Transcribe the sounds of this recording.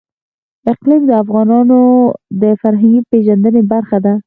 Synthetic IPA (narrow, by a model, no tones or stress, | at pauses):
ɪqlimd̪əafɣɑnɑnod̪əfaɾɦaŋɡipeʒand̪ənebaɾxad̪a